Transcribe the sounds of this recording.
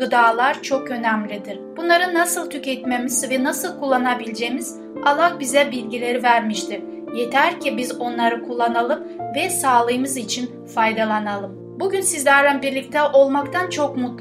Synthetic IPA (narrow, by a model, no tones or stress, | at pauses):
ɯd̪aːlˠaɾt͡ʃʰo̞kø̞næmlʲid̪iɾ̥b̥unlˠaɾɯnːasɯlˠt̪ʰycɛt̪memiz̥vɛnasɯlˠkʰulˠːanabilʲd͡ʒejmiz̥ | alˠakbizɛbilʲɟilʲe̞ɾivæɾmiʃt̪ʰiɾ | jet̪ʰæɾcʰibizo̞nlˠaɾɯkʰulˠːanalˠɯmvɛsaːlˠɯjɯmɯzit͡ʃʰin | fajd̪alˠanalˠɯm | buɟynsizlʲæɾd̪ænbiɾlʲic̚t̪ʰɛʔo̞lˠmakt̪ʰant͡ʃʰo̞kmut̪l